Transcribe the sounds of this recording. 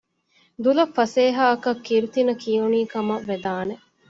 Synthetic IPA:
d̪ulɐfːɐseːɦaːɐkɐkːiɾut̪inɐkʰijuniːkɐmɐʋːed̪aːne

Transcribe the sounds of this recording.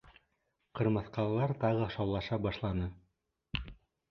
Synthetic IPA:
qɤ̆ɾmɤ̆θqɑlˠlˠɑɾt̪ɑʁɤʃɑwlˠɑʃɑbɑʃlˠɑnɤ

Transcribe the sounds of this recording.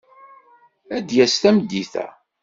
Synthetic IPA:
æd̪jæst̪æməd̪ːiθæ̰

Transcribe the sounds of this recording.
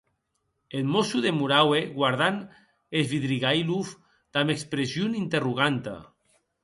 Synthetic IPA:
elmosuðemuɾaweɣwaɾð̞an | ezβiðɾiɣajluf | d̪̥amekspɾezjunint̪eruɣ̞ant̪a̰

